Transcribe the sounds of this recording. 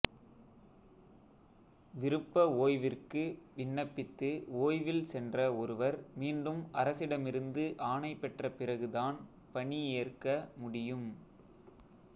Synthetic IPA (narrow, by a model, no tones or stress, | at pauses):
ʋɪɾɯpːɐoːjʋɪrkɯʋɪɳːɐpːɪt̪ːɯoːjʋɪlsɛndrɐɔɾɯʋɐɾmiːnɖɯmʔɐɾɐsɪɽɐmɪɾɯnd̪ɯʔaːnɐɪpːɛʈrɐpɪrɐɣɯðaːn | pɐɳieːrkɐmʊɽɪjɯm